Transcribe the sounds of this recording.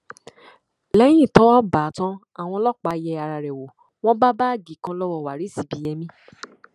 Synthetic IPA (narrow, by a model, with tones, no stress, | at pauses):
lɛ˦j̃ĩ˦˨tɔ˨˦ɔ˦baː˨˦tã˧˦ | a˨w̃ɔ̃˧lɔ˦˨k͡pa˨˧˦jɛ˧a˧ɾa˨ɾɛ˨wo˨ | w̃ɔ̃˦ba˦baː˦˨ɡi˨kã˧lɔ˦wɔ˧˨wa˨ɾi˨˦si˨˦bi˨˦jɛ˧mĩ˦